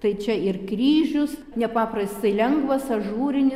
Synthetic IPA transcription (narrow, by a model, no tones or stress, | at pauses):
t̪ɐɪt͡ʃʲɛɪrkɾʲiːʒʲʊs | nʲɛpɑːprɐsʲt̪ɐɪlʲɛŋɡʋɐsɐʒuːɾʲɪnʲɪ